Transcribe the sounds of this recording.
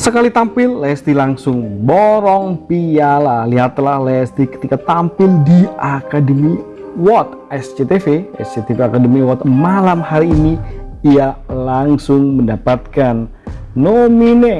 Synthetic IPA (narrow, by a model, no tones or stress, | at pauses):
səkalit̪ampɪlːɛst̪ilaŋsʊŋbɔɾɔŋpijalaliɦat̪lahlɛst̪ikə̥t̪ikat̪ampɪldiakadəmi | wɔt̪ | ɛst͡ʃet̪efeɛ̰sd͡ʒet̪efeakadəmiwɔt̪malamhaɾiːni | ialaŋsʊŋməndapat̪̚kanː | omine